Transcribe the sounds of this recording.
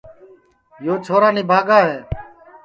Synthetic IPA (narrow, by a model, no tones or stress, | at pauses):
joːt͡ʃʰoːɾaːniːbʱaːɡaːɦeː